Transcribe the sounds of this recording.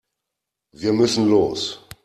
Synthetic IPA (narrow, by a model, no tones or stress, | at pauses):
viːɐmʏsn̩loːs